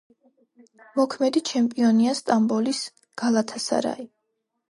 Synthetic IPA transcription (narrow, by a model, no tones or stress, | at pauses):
mɔkʰmɛd̪it͡ʃʰɛmpʼiɔniast̪ʼambɔlis | ɡ̥alˠat̪ʰasa̰ɾa̰i